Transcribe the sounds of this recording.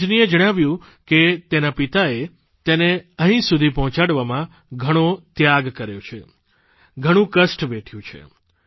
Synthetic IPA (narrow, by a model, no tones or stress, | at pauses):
d͡ʒnied͡ʒəɽ̃aʋjũ | ket̪enapit̪ae | t̪eneəɦĩsud̪ʱipɔɦɔ̃t͡ʃaɽʋamã | ɡʱəɽ̃ot̪jaɡkəɾjo̰t͡ʃʰḛ | ɡʱəɽ̃ũkəsʈʋɛʈʰjũt͡ʃʰḛ